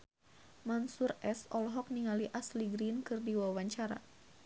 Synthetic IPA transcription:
mansurɛsɔlɦɔk̚niŋaliʔasliɡɾinkɨrdiwawaɲt͡ʃaɾa̰

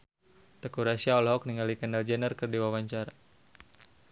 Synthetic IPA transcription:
t̪əkuɾasiaɔlɦɔk̚niŋalikənald͡ʒɛnərkɨrdiwawaɲt͡ʃaɾa

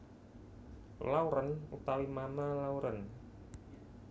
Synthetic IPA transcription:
lauɾənut̪awimamalauɾən

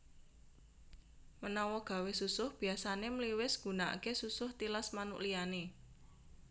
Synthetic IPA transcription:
mənɔwɔɡ̥a̤wesusʊhb̥i̤asanemliwɪsɡ̥ṳnaʔkesusʊht̪ilasmanṵʔliane

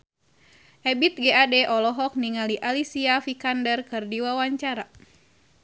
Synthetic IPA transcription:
ʔɛbit̪̚ɡɛadɛʔɔlɔɦɔk̚niŋaliʔalisiafikandərkɨrdiwawaɲt͡ʃaɾa

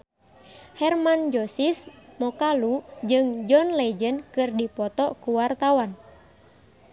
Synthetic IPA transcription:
hɛrmand͡ʒɔsismɔkalud͡ʒɨŋd͡ʒɔnlɛd͡ʒənkɨrdipɔt̪ɔkuwart̪awan

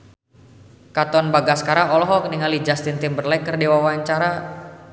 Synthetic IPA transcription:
kat̪ɔnbaɡaskaɾaɔlɔɦɔkəniŋalid͡ʒast̪int̪imbərlɛkərdewawaɲt͡ʃaɾa

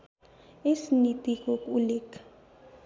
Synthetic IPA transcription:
esinitʼik̬ʼɔk̬ʼulɛːkʰḁ

